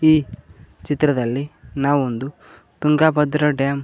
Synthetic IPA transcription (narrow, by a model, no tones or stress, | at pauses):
iːt͡ʃit̪ːɾɐd̪ɐlːinaːʋuond̪u | t̪uŋɡaːbɐd̪ɾɐɖaːm